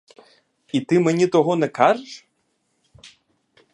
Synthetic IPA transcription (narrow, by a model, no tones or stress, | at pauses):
it̪ɨmɛnʲit̪ɔɦɔnɛkaʐɨʂ